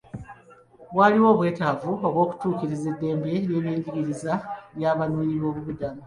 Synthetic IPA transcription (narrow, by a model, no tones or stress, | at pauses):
βwaliwo̞ːβwe̞ːtavuo̞βwo̞ːku̥tuːciɾize̞dːe̞ːmbe̞ɾje̞ːβjeːɲɟiɡiɾizaβjaːβanuːɲiβo̞ːβuβudama